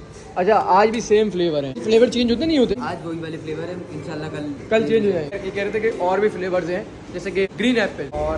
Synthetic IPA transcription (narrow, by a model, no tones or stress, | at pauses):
əːt͡ʃʰaːʔaːd͡ʒbʱiːseːmpʰleːʋəɾɦɛ̃ːfʰleːʋəɾt͡ʃeːɲd͡ʒɦod̪eːnə̃ĩɦoːt̪eːaːd͡ʒʋoːiːʋaːleːpʰleːʋəɾɛ̃ːɪnʃaːəlːaːkəlkəlt͡ʃẽːɲd͡ʒɦod̪ãjeːkɛːɾeːt̪ʰẽkeʔɔːɾbʱiːpʰleːʋəɾzɦɛ̃ː | d͡ʒɪseɡeɡɾiːnɛːpːeɔːɾ